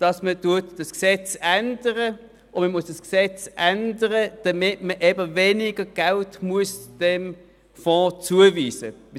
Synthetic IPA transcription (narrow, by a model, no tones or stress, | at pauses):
d̥ɑsmətuətd̥ɑsksɛt͡sænd̥əʁə | ʊməmuəsd̥ɑsksɛt͡sʔændəʁəd̥ɑmɪtməʔɛbəveːniɡəɡ̥altmuəsd̥ɛm | fɔ̃ːt͡suəviːsə̰